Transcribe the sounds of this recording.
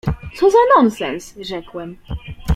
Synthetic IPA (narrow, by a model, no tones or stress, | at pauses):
t̪sɔzanɔnsɛnsʐɛkwɛm